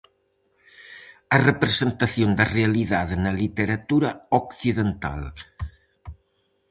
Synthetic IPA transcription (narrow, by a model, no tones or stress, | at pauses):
ɐrepɾezent̪aθjond̪ɐrealiðaðenɐlit̪eɾat̪uɾɐokθiðent̪a̰l